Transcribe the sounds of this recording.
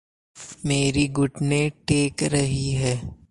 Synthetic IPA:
meːɾiɡʊʈnẽʈeːkɾɐɦiɦɛː

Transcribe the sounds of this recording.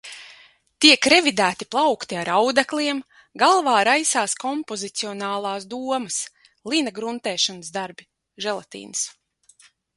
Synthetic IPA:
t̪iɛkɾɛvid̪æːt̪iplˠawkt̪iaɾawd̪aklʲiɛm | ɡalˠvaːɾajsaːskɔmpɔzit̪siɔnaːlˠaːsd̪uɔməs | lˠinaɡɾunt̪ɛːʃanəsd̪aɾbi | ʒɛlˠat̪ḭːns

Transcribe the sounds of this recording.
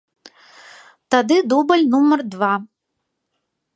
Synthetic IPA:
t̪ad̪ɨd̪ubɐlʲnumɐrd̪va

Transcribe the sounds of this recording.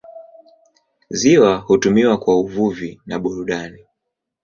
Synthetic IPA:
ziwahutumiwakwauvuvinaɓuɾuɗani

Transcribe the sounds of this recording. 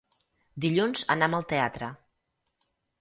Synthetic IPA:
d̪iʎunzə̰naməlˠt̪eat̪ɾə

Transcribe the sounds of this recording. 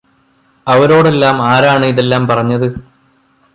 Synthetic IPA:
ɐʋɐɾo̞ːɽe̞lːaːmaːɾaːɳɨiðe̞lːaːmpɐrɐɲːɐðɨ

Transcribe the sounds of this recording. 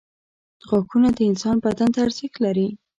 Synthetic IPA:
ɣakʰunad̪əɪnsɑnbad̪ant̪aɾziklaɾi

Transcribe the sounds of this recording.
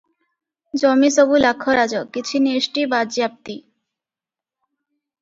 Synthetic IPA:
d͡ʑɔmisobulakʰːoɾad͡ʑokit͡ɕʰineʃʈibad͡ʑjap̚t̪i

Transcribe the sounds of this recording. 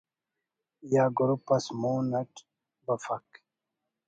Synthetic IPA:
jaːɡuɾupːɐsmoːnɐʈ | bɐfɐk

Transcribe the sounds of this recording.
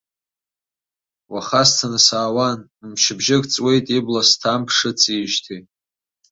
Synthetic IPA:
waχastʰanɨsaːwan | mʃɪbʒɪkʼt͡sʼwe̞jtʼiblastʰampʰʂɨt͡sʰiʒtʰi

